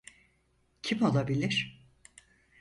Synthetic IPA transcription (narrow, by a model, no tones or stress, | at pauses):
cʰimalˠabilʲiɾ̥